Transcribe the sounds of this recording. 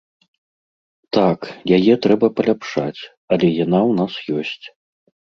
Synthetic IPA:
t̪akjajɛt̪ɾɛbɐpɐlʲapʂat͡sʲ | ɐlʲɛjanawnasjɔsʲt͡sʲ

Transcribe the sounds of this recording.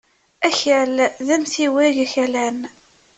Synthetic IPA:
æçælðæmθiwiʝæçælæn

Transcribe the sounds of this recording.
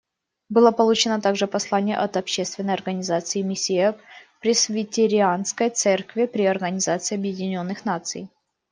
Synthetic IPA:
bɨlˠəpɐlˠut͡ɕɪnət̪aɡʐɨpɐslˠanʲɪjə̰ʔɐt̪ɐpɕːest̪vʲɪnːəjɐrɡənʲɪzat̪sɨɪmʲɪsʲɪɛpɾʲɪsvʲɪtʲɪɾʲɪanskəjt̪sɛrkvʲɪpɾʲɪɐrɡənʲɪzat̪sɨɪɐbjɪdʲɪnʲo̞nːɨxnat̪sɨ̰j

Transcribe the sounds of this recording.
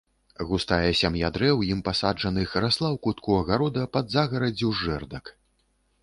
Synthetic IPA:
ɣust̪ajɛsʲamjad̪ɾɛwjimpasad͡ʐɐnɨxɾaslˠawkut̪kuɐɣaɾɔd̪ɐpɐd̪zaɣɐɾɐd͡zʲɛʐɛrd̪ɐk

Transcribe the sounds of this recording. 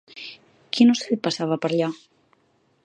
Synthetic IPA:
kʰinoseʎpasaβapəɾʎa

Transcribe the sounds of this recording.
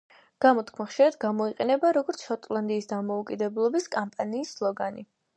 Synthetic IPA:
ɡ̥amɔt̪ʰkʰmaχʃiɾad̪ɡamɔiqʼɛnɛbaɾɔɡɔɾt̪sʰʃɔt̪ʼlˠand̪iːsd̪amɔukʼid̪ɛblˠɔbiskʼampʼaniːsːlˠɔɡani

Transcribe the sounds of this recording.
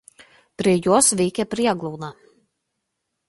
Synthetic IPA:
pɾiɛjuɔsvʲiːkʲɛpɾiɛɡlˠuːna

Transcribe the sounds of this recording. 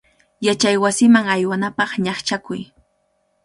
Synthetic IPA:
jat͡ʃajwasɪmaŋajwanapɑχɲɑχt͡ʃakʊj

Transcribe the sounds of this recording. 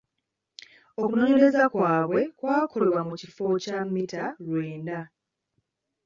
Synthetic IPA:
o̞kuno̞ːɲe̞ɾe̞zakwaːβwe̞kwaːkʰo̞lewamucifo̞camːitalwe̞ːnda

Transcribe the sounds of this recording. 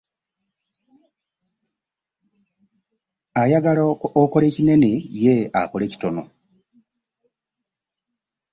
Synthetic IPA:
ajaɡaloko̞le̞ːcine̞neje̞a̰kole̞ːci̥to̞no̞

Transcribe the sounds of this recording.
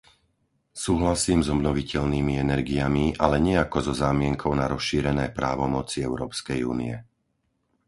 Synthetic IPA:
suːɦlasiːmzɔbnɔʋicɛʎniːmiɛnɛɾɡijamiʔalɛɲɛakɔzɔzaːmɪɛŋkʰɔʊnaɾɔsʃiːɾɛnɛːpɾaːʋɔmɔt͡siɛʊɾɔːpskɛjṵːnḭɛ

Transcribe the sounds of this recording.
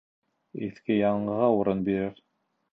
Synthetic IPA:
iθkɘjɑɴɢɤʁɑuɾɤnbiɾɘɾ

